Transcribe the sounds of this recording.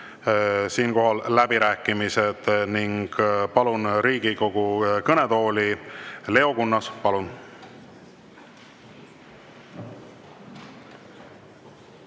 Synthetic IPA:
siːnko̞ɦɑllæbiɾæːkːˑimised̪̥niŋɡ̥pɑlunɾiːɡ̥iko̞ɡ̥ukɤne̞d̪o̞ːlile̞o̞kunːɑspɑlun

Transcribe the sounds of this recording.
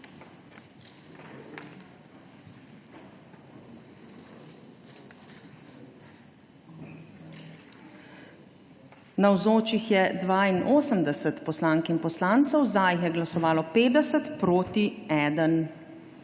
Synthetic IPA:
nawzoːt͡ʃixjɛd̪ʋaːinʔoːsəmd̪ɛsət̪pɔslaːŋkinpɔslaːnt̪səwzajxjɛɡlasɔʋaːlɔpeːd̪ɛsət̪pɾoːt̪iɛːd̪ən

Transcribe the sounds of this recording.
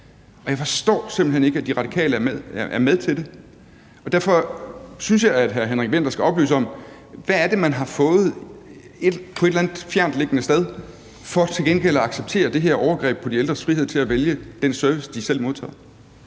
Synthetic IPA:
ʔɒ̽jɑ̈ɪfɒ̽sd̥ɔ̰ːsemb̥l̩ɦene̝ɡ̥æd̥iʁɑ̈d̥ikʰɛ̰ːləæɐmɐʔæɐmeð̞ˠt͡sʰe̝ld̥e̝ | ɒ̽d̥æɐfɒ̽synsjɑ̈ɪæd̥ɦæɐɦenʁaɡ̥ʋen̰d̥ɐsɡ̥æɒ̽b̥ly̰ːsəɒ̽m | ʋææɐd̥e̝mænɦɑ̈fɔ̽ːð̩ˠ | ed̥pʰɒ̽e̝̥lænð̥ˠfjæɐ̰nd̥le̝ɡ̥ənəsd̥eð̞ˠ | fɒt͡sʰe̝lɡenɡ̥el̰æɑ̈ɡ̥seb̥̚t͡sʰe̝̰ːɐd̥e̝ɦe̝ɐ̰ʔɒʊɐɡ̥ʁɛ̰ːb̥̚pʰɒdield̥ʁɐsfʁihe̝ð̞̰ˠt͡sʰe̝æʋeljəd̥ensœɐʋisd̥isel̰mo̝ðˠt͡sʰɛ̰ːð̩ˠ

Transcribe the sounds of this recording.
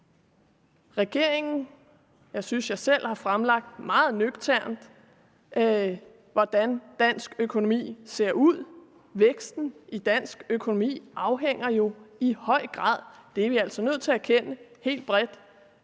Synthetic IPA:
ʁɛɡ̥e̝ɐ̰e̝ŋn̩ | jɑ̈ɪsynsjɑ̈ɪsel̰hɑ̈fʁamlɑ̈ɡ̥̚d̥mɑ̈ːð̞̩ˠnøɡ̥t͡sʰæɐ̰nd̥ | ʋɒd̥ænd̥æn̰sɡ̥økʰo̝no̝mḭːse̝ɐ̰uð̰ˠ | ʋeɡ̥sd̥n̩id̥æn̰sɡ̥økʰo̝no̝mḭːʔɑ̈ʊɦeŋ̰ɐjo̝ihɒ̽ɪ̰ɡ̥ʁɑ̰̈ːðˠd̥e̝æʋiæl̰sɒnøð̰ˠt͡sʰe̝æɐkʰenəhe̝̰ːld̥̚b̥ʁɛd̥

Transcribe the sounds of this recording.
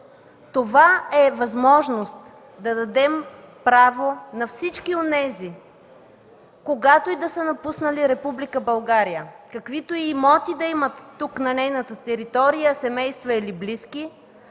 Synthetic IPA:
t̪ovaɛvɐzmɔʒnost̪ | d̪ɐd̪ɐd̪ɛmpɾavonɐfsit͡ʃkionɛzi | koɡat̪oid̪ɐsənɐpusnəliɾɛpublikəbɐlˠɡaɾijəkɐkvit̪oiːmɔt̪id̪ɐimət̪ːuknɐnɛjnət̪ət̪ɛɾit̪ɔɾijəsɛmɛjst̪vɐilibliski

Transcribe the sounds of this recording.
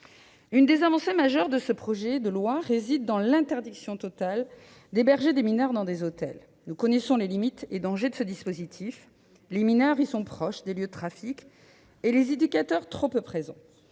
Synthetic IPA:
ynd̪ezavɑ̃semaʒœʁd̪əsəpχɔʒɛd̪əlwaʁezid̪ːɑ̃lɛ̃t̪ɛʁd̪iksjɔ̃t̪ɔt̪al | d̪ebɛʁʒed̪eminœʁd̪ɑ̃d̪ezot̪ɛ̰l | nukɔnɛsɔ̃lelimit̪ed̪ɑ̃ʒed̪əsəd̪ispozit̪ʰif | leminœʁisɔ̃pχɔʃd̪eljød̪ət̪χafikʲ | elezed̪ykʲat̪œʁt̪χɔppχezɑ̰̃

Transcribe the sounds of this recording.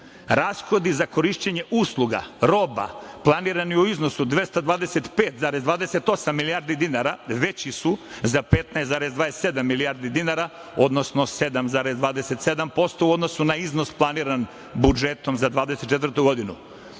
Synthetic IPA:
ɾaːsxo̞d̪izako̞ɾiʃt͡ɕeɲeʔuːslˠuɡa̰ɾo̞ba̰plˠaniːɾaniuiznosud̪ʋe̞st̪ad̪ʋaːd̪eset̪peːt̪zaːɾezd̪ʋaːd̪eset̪o̞samːiliaɾd̪id̪inaɾaʋe̞t͡ɕisuzapet̪najszaːɾezd̪ad̪esse̞d̪amːiliaɾd̪id̪inaɾa | o̞d̪no̞snose̞d̪amzaːɾezd̪ʋaːd̪eset̪sed̪ampo̞st̪ouod̪no̞sunaizno̞splˠaniːɾan | bud͡ʒet̪o̞mzad̪ʋaːd̪eset̪ːt͡ʃet̪vəɾt̪uɡo̞d̪inṵ

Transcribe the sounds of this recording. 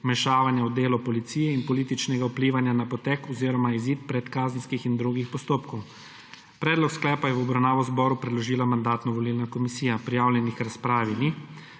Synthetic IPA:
mɛʃaːʋanjawd̪eːlɔpɔlit̪siːjɛinpɔliːt̪it͡ʃnɛɡaupliːʋanjanapɔt̪ɛkɔziːɾɔmaiziːt̪̚pɾɛt̪kaːzənskixind̪ɾuɡixpɔst̪oːpkɔw | pɾɛːd̪lɔksklɛːpajɛwɔbɾawnaːʋɔzbɔːɾupɾɛd̪lɔʒiːlamand̪aːt̪nɔʋɔlilnakɔmisiːjapɾijaːwljɛnixɾaspɾaːʋini

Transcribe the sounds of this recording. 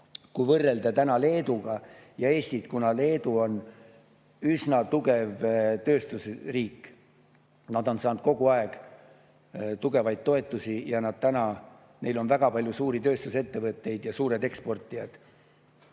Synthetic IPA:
kujvɤrːe̞ld̪ɑt̪ænɑle̞ːd̪uɡ̥ɑjɑe̞ːst̪it̪kunɑle̞ːd̪uo̞n | ysnɑt̪uɡe̞vt̪ø̞ːst̪usriːkː | nɑd̪̥o̞nsɑːnd̪̚ko̞ɡ̥uɑeɡ̥ | t̪uɡe̞vɑjd̪̚t̪ːo̞e̞t̪ːˑusijɑnɑd̪̥̚t̪ænɑ | ne̞jlo̞nvæɡ̥ɑpɑlʲjusuːɾit̪ø̞ːst̪use̞t̪ːe̞vɤt̪ːˑe̞jd̪jɑsuːɾe̞d̪e̞kspo̞rt̪ːˑijɑd̪̥

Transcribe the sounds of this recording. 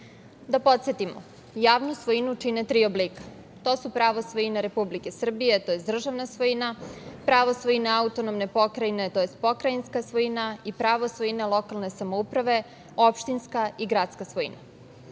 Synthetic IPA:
d̪apo̞t̪sjet̪imo̰ | jaːʋnusʋojinut͡ʃinet̪ɾiːo̞blikḁ | t̪o̞ːsupɾaʋosʋo̞jinaɾe̞publike̞sr̩bije̞t̪ojesd̪r̩ʒaʋnasʋojinapɾaʋosʋojinaaut̪o̞nomne̞po̞kɾajinet̪ojest̪̚po̞kɾajinskasʋo̞inaipɾaʋo̞sʋojinalo̞kalne̞samoupɾaʋe̞ | opʃt̪inskaiɡɾaːt̪skasʋojḭna̰

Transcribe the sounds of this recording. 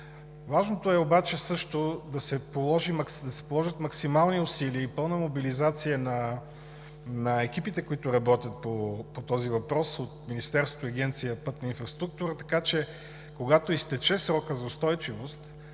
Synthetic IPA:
vaʒnot̪oɛobat͡ʃɛsɤʃt̪od̪ɐsɛpolˠɔʒimɐksd̪ɐsɛ̥polˠɔʒət̪mɐksimalˠniʊsiliəipɤlˠnəmobilizat̪sijənɐ | nɐɛk̟ipit̪ɛkoit̪ʊɾɐbɔt̪ʲət̪̚popot̪ɔzivɐpɾɔsot̪minist̪ɛɾst̪ot̪iɐɡ̟ʲɛnt̪sijəpɤt̪nɐinfɾɐst̪ɾuk̚t̪uɾət̪ɐ̥kat͡ʃɛ | koɡat̪oist̪ɛt͡ʃɛsɾɔkəzɐʊst̪ɔjt͡ʃivost̪

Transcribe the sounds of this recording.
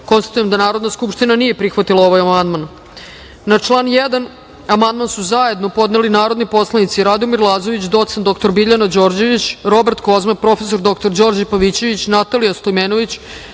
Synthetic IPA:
ko̞nst̪ḁt̪ujemd̪anaːɾo̞d̪naskupʃt̪inanije̞pɾixʋat̪ilˠaoʋajamand̪man | nat͡ʂlˠaːnjed̪an | amand̪mansuzaje̞d̪no̞po̞d̪nelinaːɾo̞d̪nipo̞slˠanit̪siɾad̪omiɾlˠaːzoʋit͡ɕd̪o̞t̪send̪o̞kt̪o̞ɾbiʎanad͡ʑo̞ɾd͡ʑe̞ʋit͡ɕɾo̞bɾt̪ko̞zmapɾo̞feso̞ɾd̪o̞kt̪oɾd͡ʑo̞ɾd͡ʑapaʋit͡ɕe̞ʋit͡ɕnat̪alijast̪ojmenoʋit͡ɕ

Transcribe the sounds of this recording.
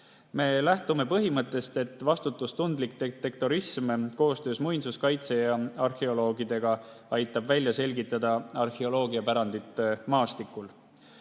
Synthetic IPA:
me̞ːlæht̪ume̞pɤɦimɤt̪ːˑe̞st̪e̞t̪ːˑvɑst̪ut̪ːˑust̪und̪lik̚t̪et̪e̞k̚t̪o̞ɾismko̞ːst̪ø̞ːsmujnsuskɑjt̪se̞jɑɑrxe̞o̞lo̞ːɡid̪̥e̞ɡ̥ɑ | ɑjt̪ːˑɑbvælʲjɑse̞lɡit̪ːˑɑd̪̥ɑɑrxeo̞lo̞ːɡiɑpæɾɑnd̪it̪ːˑmɑːst̪ikːˑul

